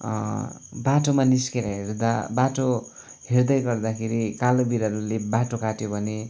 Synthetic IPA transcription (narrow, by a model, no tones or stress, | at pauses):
baʈomaniskeɾaɦerd̪abaʈo | ɦerd̪ʌjɡʌrd̪akʰeɾikalobiɾʌɾulebaʈokaʈjobʱʌne